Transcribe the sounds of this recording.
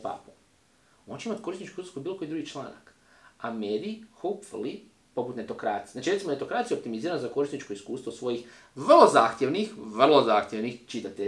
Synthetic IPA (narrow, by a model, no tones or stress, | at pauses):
pa̰ːpo | ont͡ɕeimat̪ko̞ɾisnit͡ʃkoɾuskobiːlo̞ko̞jid̪ɾuɡit͡ʃlˠa̰ːna̰k | amed̪ixopfli | po̞put̪net̪o̞kɾaːt̪sijznat͡ʃiɾet̪imne̞t̪o̞kɾat̪ijeop̚t̪imiziːɾanzako̞ɾisnit͡ʃko̞iskuːst̪ʋosʋo̞jix | ʋr̩lˠo̞zaːxt̪ʲje̞ʋnixʋr̩lˠo̞zaːxt̪jeʋnixt͡ʃit̪at̪e